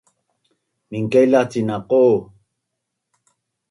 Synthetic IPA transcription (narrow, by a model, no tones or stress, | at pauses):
miŋkeilat͡sinaqo